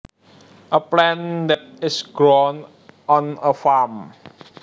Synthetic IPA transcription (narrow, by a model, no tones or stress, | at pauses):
ʔəplɛ̃ndɛt̚ɪsɡɹɔn | ʔɔ̃nəfam